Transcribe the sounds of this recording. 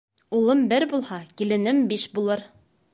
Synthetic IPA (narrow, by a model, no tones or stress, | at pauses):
ulˠɤmbɘɾbulˠhɑkilɘ̆nɘmbiʃbulˠɤɾ